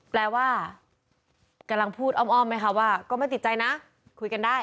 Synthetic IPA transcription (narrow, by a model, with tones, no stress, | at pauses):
plɛː˧waː˥˩ | ka˧mla˧ŋpʰuː˥˩t̪̚ʔɔː˥˩mʔɔː˥˩mːa˧˩jkʰa˦˥˩waː˥˩kɔː˥˩ma˥˩t̪i˨˩t̪̚t͡ɕa˧jna˦˥ | kʰu˧jka˧ndaː˥˩